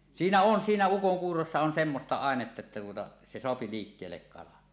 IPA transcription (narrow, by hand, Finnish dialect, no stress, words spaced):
siːnæ on siːnæ ukoŋkuːrosːɑ on semːostɑ ɑˑenetːɑ etːæ tuotɑ se soɑpi liːkːeːlːek kɑlɑn